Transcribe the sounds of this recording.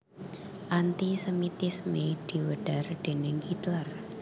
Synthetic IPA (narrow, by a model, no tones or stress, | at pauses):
ʔant̪isəmit̪ismed̪̥i̤wəɖ̥arɖ̪̥enɪŋhit̪lər